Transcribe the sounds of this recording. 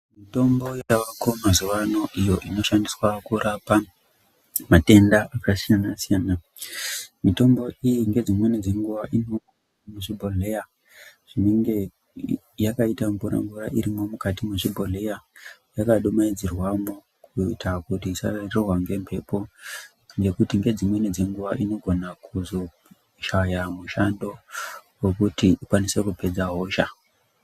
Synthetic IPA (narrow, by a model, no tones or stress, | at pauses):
mito̞mbo̞jaaʋakomazuʋano̞ʔijo̞ʔino̞ʃandiswakuɾapa | mate̞ndaʔakasijanasijaːna | mito̞mbo̞ʔijiŋɡe̞d͡zimwe̞ned͡zeŋɡuʋaʔino̞ku | muʐibʱoleja | ʐ̥ineŋɡe̞ | jakaitamvuɾa̰mvuɾa̰ʔiɾimo̞mukatimuʐibʱo̞le̞jajakaɗomaid͡zirwamo | kuitakutiːsa̰rerwaŋɡe̞mpʰe̞po̞ | nɡe̞kutiŋɡe̞d͡zimwe̞nid͡ze̞ŋɡuʋaʔino̞ɡʱo̞nakuzo̞ | ʃajamuʃando̞we̞kutiikwanise̞kupe̞d͡zaɦo̞ːʃa̰